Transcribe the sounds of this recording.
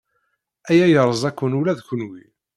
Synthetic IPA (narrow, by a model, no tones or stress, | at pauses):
æjæjəɾˤəzˤækʷːənulæðçənwi